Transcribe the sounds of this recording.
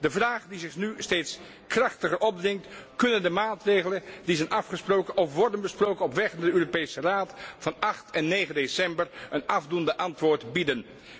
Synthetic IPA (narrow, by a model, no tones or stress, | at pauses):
dəvraːχdizɪχnystejts | krɑχtəχəɹʔɔb̚drɪŋtkɵnəndəmaːtrejχələndizɛnʔɑfχəsprowkəɔfʋɔɹdənbəsprowkənɔpʋɛχdaːdəøːropejsəraːtfɑnɑχtɛnːejχəndesɛmbəɹənɑvdundəʔɑntʋʊːɹtbidən